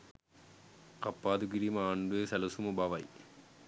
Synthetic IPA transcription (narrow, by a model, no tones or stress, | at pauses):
kɐpːaːd̪uɡiɾimɐaːɳd̪uʋeːsɐlɐsumɐbɐʋɐj